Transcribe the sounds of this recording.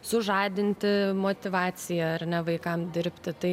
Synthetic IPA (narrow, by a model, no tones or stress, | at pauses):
sʊʒɑːd̪ʲɪnʲt̪ʲɪmoːt̪ʲɪʋɑːt͡s̪ʲɪjɛɐrnʲɛʋɐɪkɐmd̪ʲɪɾʲpʲt̪ʲɪt̪ɐɪ